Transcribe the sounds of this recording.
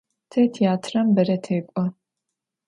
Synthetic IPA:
tʰɐtʰiaːtʰrɐmbɐɾɐtʰeːkʷʼɔ

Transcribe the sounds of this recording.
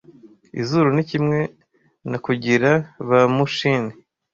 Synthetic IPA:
ḭzuɾunicimŋe̞ | nakuɟiɾaβamuʃini

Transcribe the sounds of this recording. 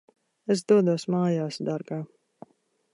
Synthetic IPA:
esd̪uɔd̪uɔsmaːjaːsd̪aɾɡaː

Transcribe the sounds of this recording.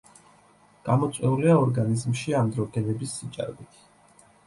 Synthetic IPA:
ɡ̥amɔt̪sʼwɛuliaɔɾɡanizmʃiamd̪ɾɔɡɛnɛbisːit͡ʃʼa̰ɾbit̪ʰ

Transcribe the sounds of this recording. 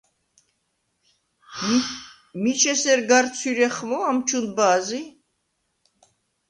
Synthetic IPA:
mit͡ʃʰɛsɛɾɡaɾt͡sʰyɾɛχmɔamt͡ʃʰund̪bazi

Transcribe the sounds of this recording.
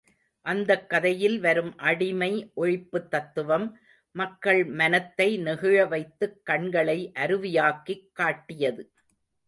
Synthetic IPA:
ʔɐnd̪ɐkːɐðɐjɪlʋɐɾɯmʔɐɽɪmɐɪʔɔɻɪpːɯt̪ːɐt̪ːɯʋɐmː | ɐkːɐɭmɐnɐt̪ːɐɪnɛɣɯɻɐʋɐɪt̪ːɯkːɐɳɡɐɭɐɪʔɐɾɯʋɪjaːkːikːaːʈːɪjɐðɯ

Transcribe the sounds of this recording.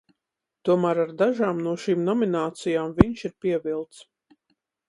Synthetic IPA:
t̪uɔmæːɾaɾd̪aʒaːmnuɔʃiːmnɔminaːt̪sijaːmviɲʃiɾpiɛvilˠt̪s

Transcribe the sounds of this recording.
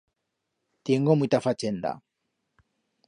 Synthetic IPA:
t̪iɛŋɡɔmuit̪afat͡ʃɛnd̪a̰

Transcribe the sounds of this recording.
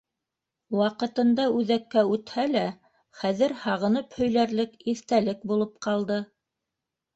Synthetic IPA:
wɑqɤ̆t̪ɤ̆nd̪ɑʉðækːæʉt̪hælæ | χæðɘɾhɑʁɤ̆nɤphɵ̆jlæɾlɘkiθt̪ælɘk̚bulˠɤp̚qɑlˠd̪ɤ

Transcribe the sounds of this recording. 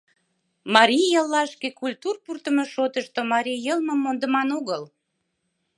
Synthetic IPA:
mɑɾʲijəlːɑʃkekulʲt̪urpurt̪əmeʃot̪əʃt̪omɑɾʲijəlmə̆mːond̪əmɑnoɣəl

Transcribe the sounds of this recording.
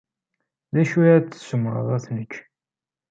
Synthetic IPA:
ðæʃuʕæt͡sːsəmɾə̰ðˤæθnəkː

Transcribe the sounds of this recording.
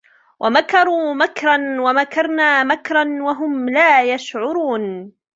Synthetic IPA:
wʔamakɑɾˤuːmakɾˤɑnwamakɑɾˤnaːmakɾˤɑnwaɦʊmlaːjaʃʕʊɾuːn

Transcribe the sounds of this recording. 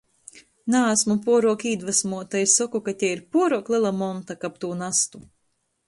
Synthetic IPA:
naːsmupuɔɾuɔkiːd̪vasmuɔt̪assɔkukat̪ʲɛiɾpuɔɾuɔklˠilˠamɔnt̪akap̚t̪uːnast̪u

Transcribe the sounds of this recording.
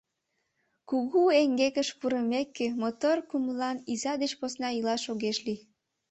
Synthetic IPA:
kuɣueŋɡekəʃpuɾəmekːemot̪orkuməlɑnizɑd̪et͡ɕposnɑilɑʃoɣeʃli

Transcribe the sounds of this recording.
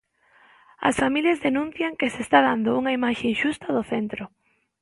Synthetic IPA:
ɐ̰sfamiljazðenũn̟θjɐŋkesest̪aðand̪ʊuŋɐimaʃeŋʃust̪ɐðʊθent̪ɾʊ

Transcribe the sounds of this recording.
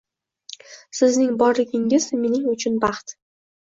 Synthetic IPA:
sɪznɪŋbɒɾlɪɡʲɪŋɪzme̞nɪŋʊt͡ʃʰʊnbɑχt̪

